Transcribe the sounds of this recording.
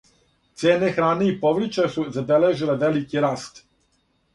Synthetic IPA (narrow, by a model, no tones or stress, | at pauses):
t̪sjeːnexɾaːneipoʋɾit͡ʃesuzabeleʒileʋe̞likiɾaːst̪